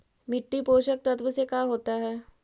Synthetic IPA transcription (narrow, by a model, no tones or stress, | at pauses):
mɪʈːipoːʃək̚t̪ɐt̪ʋəsekaːɦoːt̪aɦɛː